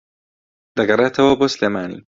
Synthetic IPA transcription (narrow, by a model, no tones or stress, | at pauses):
d̪ɐɡɐreːt̪ʰɐwɐboːsleːmaːnḭː